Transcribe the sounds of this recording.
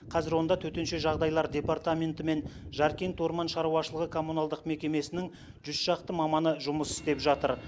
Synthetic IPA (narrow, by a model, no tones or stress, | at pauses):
qʰɑzɪɾwo̞nd̪ɑt̪ʰɵt̪e̞nʃe̞ʒɑʁd̪ɑjlˠɑɾd̪ʲe̞pɑɾt̪amʲe̞nt̪ɪme̞nʒɑɾkʲe̞nt̪wo̞ɾmɑnʃɑɾuɑʃəlˠəʁəkʰo̞munɑlˠd̪əqme̞kʲe̞me̞sɪnɪŋ | ʒ̥ʏzʒ̥ɑqt̪əmɑmɑnəʒʊməsɪ̥st̪e̞pʒɑt̪əɾ